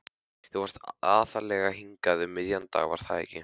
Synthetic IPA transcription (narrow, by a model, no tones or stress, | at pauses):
θɛvɔɾ̥st̪aːθalɛɣaɦiŋkaðʏmɪðjant̪a̰ːɣva̰ɾ̥θaðɛ̰cɪ